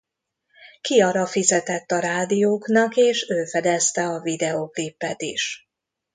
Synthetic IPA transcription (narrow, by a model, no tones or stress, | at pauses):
kiɒɾɒfizɛt̪ɛt̪ːɒɾaːd̪ijoːknɒkeːʃøːfɛd̪ɛst̪ɛɒvid̪ɛoklipːɛt̪ḭʃ